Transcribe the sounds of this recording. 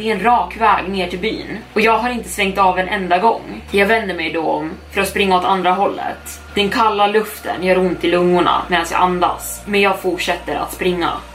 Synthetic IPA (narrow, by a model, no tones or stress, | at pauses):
ɛɛɛnɾɑːkvɛ̰ːɡneːʈʰɪlby̰ːnɔjɑːɡɦaɾɪnt̪əsvɛŋkt̪ɑːvɛnʔɛ̰nd̪aɡɔ̰ŋːjɑːɡvɛnd̪əɾmɛjd̪ɔɔmfœɾat̪spɾɪŋːaɔt̪and̪ɾaɦɔlːə̰tt̪ | d̪̥ɛnkʰalːalɵft̪ʰə̰njœɾʊnt̪ʰːɪlɵŋːʊɳa̰meːd̪ansjɑ̰ːʔand̪a̰s | mɛnjɑːɡfʊʈʂɛt̪ːəɾa̰t̪spɾɪŋːa̰